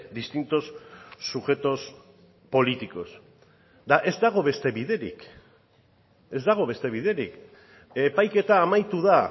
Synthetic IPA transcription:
d̪ist̪int̪o̞sːuxe̞t̪o̞s | po̞lit̪iko̞s | d̪aʔe̞zd̪aɣ̞o̞βe̞st̪e̞βiðe̞ɾḭk | e̞zd̪aɣ̞o̞βe̞st̪e̞β̞iðe̞ɾik | e̞pajke̞t̪aːmajt̪uða

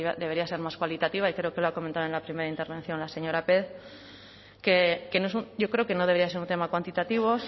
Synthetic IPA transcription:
βaðee̞ɾiase̞ɾmaskwalit̪at̪iβaikɾeokeloako̞mẽnt̪aðe̞nlapɾime̞ɾaint̪e̞ɾβ̞en̟θjo̞nlase̞ɲo̞ɾapeð | keke̞noes̬uɟ͡ʝo̞kɾe̞okeno̞ð̞e̞ɾiaseɾunt̪e̞makwant̪it̪at̪iβ̞o

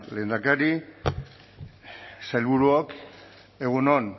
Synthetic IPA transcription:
le̞ːnd̪akaɾi | sajlβuɾuok | e̞ɣunon

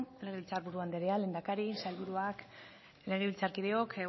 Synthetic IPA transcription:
leɣiβilt͡saɾβuɾuand̪eɾeale̞ːnd̪akaɾisajlβuɾuak | le̞ɣ̞iβilt͡saɾkiðe̞o̞k

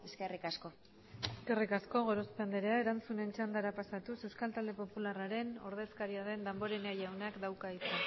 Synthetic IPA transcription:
eskerikasko | eske̞rikasko̞ɣ̞o̞ɾo̞speand̪eɾeaeɾant͡sune̞nt͡ʃand̪aɾapasat̪usewskalt̪ald̪e̞po̞pularaɾe̞no̞̰ɾðe̞skaɾiaðe̞nd̪ambo̞ɾeneajawnakd̪awkaðit̪u

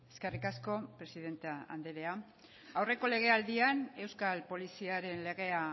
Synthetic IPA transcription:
e̞ske̞rikasko̞pɾe̞siðe̞nt̪eaa̰nd̪eɾe̞a | awre̞ko̞le̞ɣ̞e̞ald̪iane̞wskalpo̞lisiaɾe̞nle̞ɣ̞e̞a

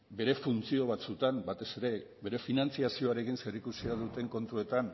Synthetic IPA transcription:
be̞ɾe̞funt͡sio̞β̞at͡sut̪ambat̪e̞se̞ɾe̞ | be̞ɾe̞finant͡siasio̞aɾe̞kinse̞ɾikusiaðut̪e̞ŋko̞nt̪ue̞t̪an

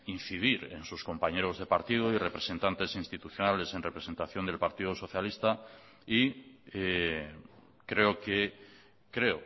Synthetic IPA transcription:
inθiðiɾe̞̰nsusko̞mpaɲe̞ɾo̞zðe̞paɾt̪iðoire̞pɾe̞se̞nt̪ant̪e̞sinst̪it̪uθjo̞nale̞se̞nrepɾe̞se̞nt̪aθjo̞nd̪elpaɾt̪iðoso̞θjalist̪a | ie | kɾe̞oke | kɾe̞o

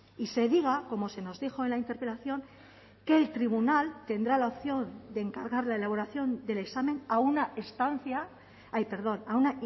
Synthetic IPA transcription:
ise̞ðiɣ̞ako̞mo̞se̞no̞zðixo̞e̞nlaint̪e̞ɾpe̞laθjo̞ŋ | ke̞ːlt̪ɾiβ̞unalt̪e̞nd̪ɾalaopθjo̞nd̪e̞ːŋkaɾɣaɾlae̞laβ̞o̞ɾaθjo̞nd̪e̞le̞ksameŋaunaest̪anθja | ajpe̞ɾð̞o̞nauna

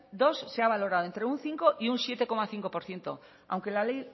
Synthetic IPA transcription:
d̪osːeaβ̞aloɾaðoent̪ɾeun̟θiŋkoʔiunsjet̪ekomaθiŋkopoɾθje̞nt̪o | a̰wŋkelalej

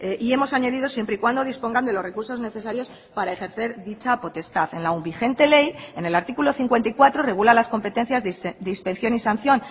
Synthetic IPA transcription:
eʔie̞mo̞saɲaðiðo̞sje̞mpɾeikwand̪o̞ðispo̞ŋɡand̪e̞lore̞kuɾso̞zne̞θe̞saɾjo̞s | paɾae̞xe̞ɾθe̞ɾðit͡ʃapo̞t̪e̞st̪aðe̞nlaumbixe̞nt̪e̞le̞je̞ne̞laɾt̪ikulo̞θiŋkwe̞nt̪aikwat̪ɾo̞re̞ɣ̞ulalasko̞mpe̞t̪e̞n̟θjazd̪eispe̞nθjo̞nisanθjo̞n

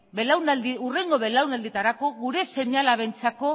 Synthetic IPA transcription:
βelawnald̪iure̞ŋɡo̞βe̞lawnald̪it̪aɾako̞ɣuɾe̞se̞ɲalaβent͡sako̞

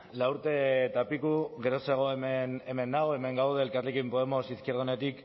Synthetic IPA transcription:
lauɾt̪e̞t̪apikuɣe̞ɾo̞se̞ɣ̞o̞emeneme̞nːaoe̞me̞ŋɡawð̞e̞ːlkarlekimpo̞emo̞siskiɾð̞une̞t̪ik

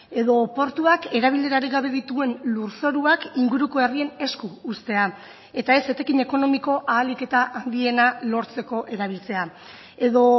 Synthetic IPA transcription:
e̞ðo̞po̞ɾt̪uake̞ɾaβ̞iʎe̞ɾaɾiɣaβe̞ðit̪ue̞nluɾso̞ɾuakiŋɡuɾuko̞erie̞ne̞skuːst̪e̞a | e̞t̪ae̞se̞t̪e̞kiɲe̞ko̞no̞miko̞ʔaːlike̞t̪aʔand̪ie̞nalo̞ɾt͡se̞ko̞ʔe̞ɾaβ̞ilt͡se̞a | e̞ðo̞

